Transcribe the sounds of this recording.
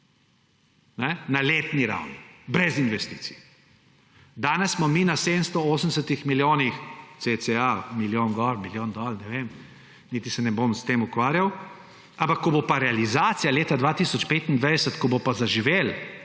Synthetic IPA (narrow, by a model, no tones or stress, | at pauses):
nɛnaleːt̪niɾa̰wnibɾɛzinʋɛst̪isij | d̪aːnɛssːmɔminaseːd̪ənst̪ɔoːs̬ən̩d̪ɛs̬ət̪ixmiljoːnixt̪set͡s̪ɛamiljoːnɡɔlmiljoːnd̪ɔlnɛʋem | niːt̪isɛnɛbomst̪eːmukʋaːɾjaw | ãmpakːɔbopaɾɛalizaːt̪sijaleːt̪ad̪ʋaːt̪isɔt͡ʃpeːt̪ind̪ʋajd̪ɛsət̪kɔbopazaʒiʋeːl